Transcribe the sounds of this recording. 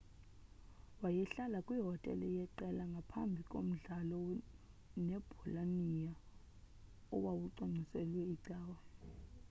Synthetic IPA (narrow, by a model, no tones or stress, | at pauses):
wajɛɬalakʼwiɦɔtʼɛ̰lɛjɛǃɛlaŋɡʱapʰambʱikʼom̩ɮalɔ | nɛb̥ʱulanija | ɔ̰wawuǀaŋ͡ǀʱisɛlwɛiǀaːwa